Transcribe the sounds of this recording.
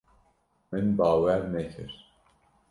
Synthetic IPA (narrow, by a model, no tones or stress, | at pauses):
mɨnbɑːwæɾnɛkʰɨ̰ɾ